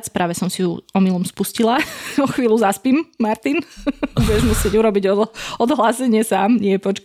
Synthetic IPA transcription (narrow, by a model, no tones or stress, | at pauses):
t͡spɾaːʋɛsɔmsijṵɔmilˠɔmspuscilaɔxʋiːluzaspiːmːaɾt̪inbuɟɛʒmusɪɛɟuɾɔbiɟɔɔd̪ɦlasɛɲɪɛsaːmɲɪɛpɔt͡ʃk